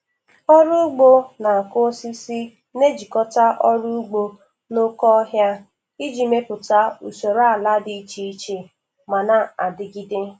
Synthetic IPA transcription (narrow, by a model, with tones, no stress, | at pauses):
ɔ˦ɾu˦ɡ͡bo˦na˨a˨ko˦si˦si˦ | ne˦d͡ʒi˨kɔ˦ta˦ʔɔ˦ɾu˦u˦ɡ͡bo˦ | no˦kɔ˦ɦja˦ | i˦d͡ʒi˨me˦pʊ˨ta˦u˨so˨ɾa˦˨la˦dɪ˦t͡ʃi˦i˦t͡ʃe˨ | ma˨na˨a˨dɪ˨ɡi˦de˦